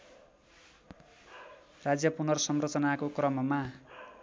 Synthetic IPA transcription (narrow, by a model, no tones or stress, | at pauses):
rad͡zjʌpunʌrsʌmrʌt͡sʌnakokrʌmʌma